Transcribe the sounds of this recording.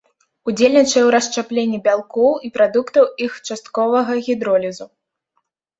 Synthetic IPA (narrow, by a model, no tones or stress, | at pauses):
ud͡zʲelʲnʲit͡ʂɐjɛwɾɐst͡ʂaplʲenʲːibʲalˠkɔwipɾad̪ukt̪ɐwixt͡ʂast̪̚kɔvɐɣɐɣʲid̪ɾɔlʲizu